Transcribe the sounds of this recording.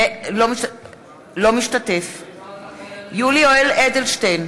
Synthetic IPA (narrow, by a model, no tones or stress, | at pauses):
lomiʃ | lo̞miʃtat̪ef | julioeled̪elʃtejn